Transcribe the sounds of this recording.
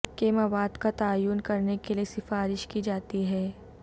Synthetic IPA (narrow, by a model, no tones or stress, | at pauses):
keːmaʋaːd̪kat̪aːjuːnkɐɾnekeliesɪfaːɾɪʃkid͡ʒaːt̪iɦɛː